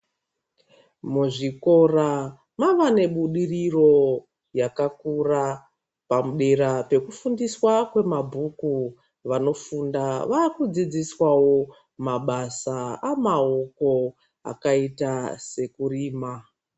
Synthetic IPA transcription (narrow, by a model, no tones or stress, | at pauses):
muʐiko̞ra | maʋane̞ɓuɗiriro̞ | jakakura | pamuɗe̞ɾape̞kufundiswakwe̞mabʱuku | ʋano̞fundaʋakud͡zid͡ziswawo̞ | maɓasaamao̞ko̞ | a̰kaitase̞kuriːma